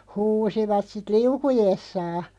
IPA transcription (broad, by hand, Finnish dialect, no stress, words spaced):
huːsiʋɑt sit liukujesːɑː